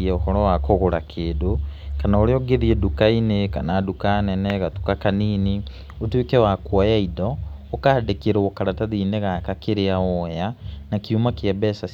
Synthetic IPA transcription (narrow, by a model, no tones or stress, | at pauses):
iɛɔhɔɾɔwakoɣoɾakʰeːdokanaoɾeɔɡeðiɛdukaineka̰nadukanɛnɛɣatukakaniːni | otwekɛwakwajaidɔ | okadekeɾɛokaɾataðiːneɣakakeɾeaɔjanakomakeabɛsa